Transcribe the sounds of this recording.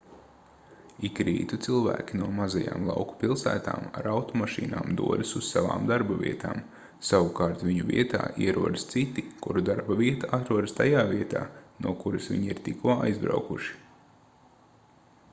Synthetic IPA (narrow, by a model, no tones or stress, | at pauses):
ikɾḭːt̪ut̪silˠvæ̰ːkʲinuɔmazaja̰ːmlˠɑ̰wku̥pilˠsæ̰ːt̪a̰ːma̰ɾawt̪ɔmaʃḭːnaːmd̪uɔd̪isuz̥sava̰ːmd̪aɾbavḭɛt̪a̰ːm | saʋukɑːɾt̪vʲiɲuvʲḭɛt̪a̰ːʔḭɛɾuɔd̪əst̪sit̪ikṵɾud̪aɾbaviɛt̪aʔat̪ɾuɔd̪st̪ajaːviɛt̪a̰ːnuɔkuɾɐsʋʲḭɲiɾt̪ikuɔa̰jzbɾa̰wkuʃi̥